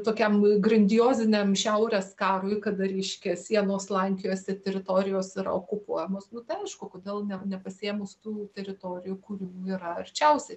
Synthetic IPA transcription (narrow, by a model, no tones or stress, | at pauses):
t̪oːkʲɛmɡrɐnʲd̪ʲɪjoːzʲɪnʲemʃʲɛʊɾʲeːskɑːɾoɪkɐd̪ɐɾʲɛɪʃʲkʲɛsʲiɛnoːslˠɐŋʲkʲɪjoːsʲɛt̪ʲɛɾʲɪt̪oːɾʲɪjoːsɪɾɐ̰oːkʊpuɔjɛmoːsnʊt̪ɐɪɐɪʃkʊkoːd̪ʲeːlˠnʲɛnʲɛpɐsʲɪeːmʊst̪uːt̪ʲɛɾʲɪt̪oːɾʲɪjʊkuːɾʲɪmuːiɾɐɐrʲt͡ʃʲɛʊsʲɛ